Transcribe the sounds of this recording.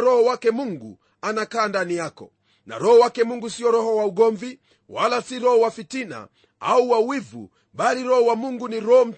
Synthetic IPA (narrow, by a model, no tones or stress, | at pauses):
ɾɔhɔwakɛmuŋɡṵ | anakaːndanijakɔ | na̰ɾɔhɔwakɛmuŋɡusiɔɾɔhɔwauɠɔɱvi | walasiɾɔhɔwafitina̰ | auwawivṵ | ɓaliɾɔhɔwamuŋɡuniɾɔɔm̩